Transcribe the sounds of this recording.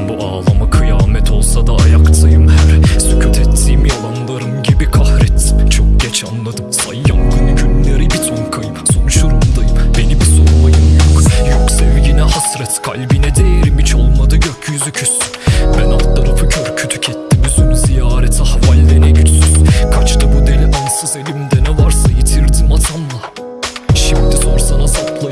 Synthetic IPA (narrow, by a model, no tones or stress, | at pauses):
buʔaːlˠamakʰɯjaːmɛt̪ʰo̞lˠsad̪aːjakt̪ʰajɯmhæɾsycʰyt̪ʰɛt̪ʰːijimjalˠanlˠaɾɯmɟibikʰahɾɛt̪ʰt͡ʃʰok̚ɟɛt͡ʃʰanlˠad̪ɯmsajjamɡɯnɟynlʲeɾibisonkʰajɯmsonuʃuɾumd̪ajɯmbe̞nibisoɾumˠajɯmjokjoksɛvɟinɛɦasɾɛt̪kʰa̰lʲbinɛd̪ejeɾimit͡ʃʰolˠmad̪ɯɟøcʰjyzycʰysynbænaft̪lˠaɾapʰucʰøɾcʰyt̪ʰycʰɛt̪ʰːimisoɾuzijaːɾɛt̪ʰɛhavalʲːenɛɟyt͡ʃ̪syzkʰat͡ʃt̪ʰabud̪elʲɛnansɯze̞lʲimd̪ɛnɛvaɾsajet̪ʰiɾd̪imat̪ʰanma | ʃimd̪iso̞nsanazaplˠa